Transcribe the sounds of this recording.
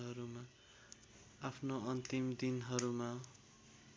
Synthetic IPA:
ɦʌɾuma | apʰnoʌnt̪imd̪inɦʌɾuma

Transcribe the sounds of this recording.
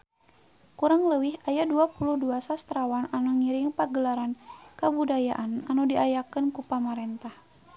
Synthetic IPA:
kuɾaŋləwihajaduapuluhduasast̪ɾawananuŋiɾɪŋpaɡəlaɾankabudajaʔananudiajakənkupamaɾɛnt̪ah

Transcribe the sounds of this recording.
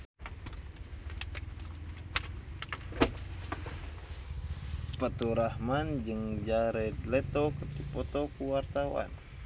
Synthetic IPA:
pət̪uɾahmand͡ʒɨŋd͡ʒaɾɛdlɛt̪ɔkərdipɔt̪ɔkuwart̪awa̰n

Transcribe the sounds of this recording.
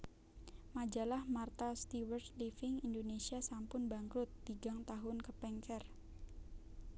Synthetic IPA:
mad͡ʒalahmart̪ast̪iwərt̪lifɪŋindonesiasampʊnbaŋkɾʊt̪̚b̥iɡaŋt̪aɦʊnkəpɛŋkɛr

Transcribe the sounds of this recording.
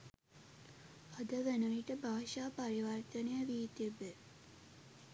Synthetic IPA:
ad̪əʋænəʋiʈəbʱaːʃaːpaɾiʋərt̪ənəjəʋiːt̪ibe

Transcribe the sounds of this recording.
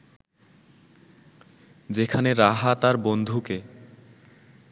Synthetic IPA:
d͡ʑekʰaneɾaɦat̪aɾbond̪ʱuke

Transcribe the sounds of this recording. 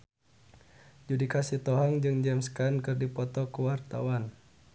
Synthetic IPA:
d͡ʒudikasit̪ɔɦaŋd͡ʒɨŋd͡ʒɛmskankɨrdipɔt̪ɔkuwart̪a̰wan

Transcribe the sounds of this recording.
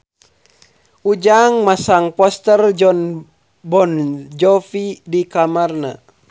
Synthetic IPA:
ud͡ʒaŋmasaŋpɔst̪ərd͡ʒɔn | bɔnd͡ʒɔfidikamarna̰

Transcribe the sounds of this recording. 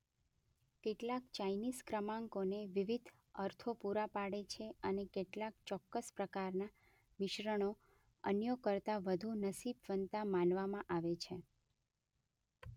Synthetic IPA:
keʈlakt͡ʃajniskɾəmãŋkoneʋiʋid̪ʱ | əɾt̪ʰopuɾapaɽet͡ʃʰeənekeʈlak̚t͡ʃɔkːəspɾəkaɾna | mɪʃɾəɽ̃o | ənjəkəɾt̪aʋəd̪ʱunəsibʋənt̪amãnʋamãʔaʋet͡ʃʰe

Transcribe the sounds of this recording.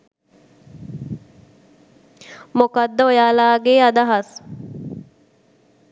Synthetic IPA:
mokad̪ːəojaːlaːɡeːad̪ɐɦɐs

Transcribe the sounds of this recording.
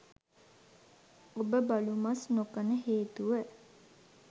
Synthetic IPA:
obəbalumasnokənəɦeːt̪uʋə

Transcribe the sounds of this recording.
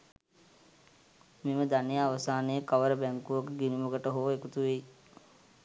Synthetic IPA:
miməd̪anijaːʋəsaːnejəkɐʋəɾəbɛŋkuʋɐkəɡinimɐɡəʈəɦoːekut̪uʋei

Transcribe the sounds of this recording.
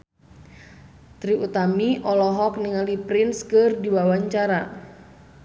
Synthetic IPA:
t̪ɾiʔut̪amiʔɔlɔɦɔk̚niŋalipɾɪnskɨrdiwawaɲt͡ʃaɾa

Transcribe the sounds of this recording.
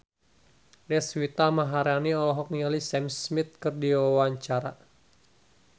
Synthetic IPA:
dɛswit̪amaɦaɾaniɔlɔɦɔk̚nialisɛmsmit̪̚kɨrdiwawaɲt͡ʃaɾa

